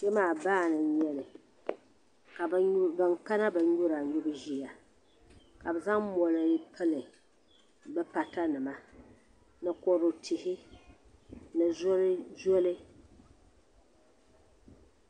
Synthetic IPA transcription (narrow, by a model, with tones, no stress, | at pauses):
ʃɛ˦maː˦˨baː˦˨nɨ˨ɲɛ˦lɨ˨ | ka˨bɨ˨ŋka˦na˦bɨ˨ɲʊ˦ɾa˨ɲʊ˦bɨ˦ʒi˦ja˨ | ka˨bɨ˨za˦ŋmɔ˨lɨ˨ji˦pʰɨ˦lɨ˨ | bɛ˦pa˨ta˦nɨ˨ma˦ | nɨ˨kɔ˨ɾo˨tʰɪ˨hɪ˦ | nɨ˨zlzɔ˦lɨ˦